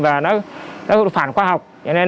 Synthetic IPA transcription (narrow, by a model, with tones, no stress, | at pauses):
vaː˨˩nɔ˨˦nɔ˨˦faː˧˩nxwaː˧ha˨˩wk͡p̚t͡ɕɔ˧ne˧n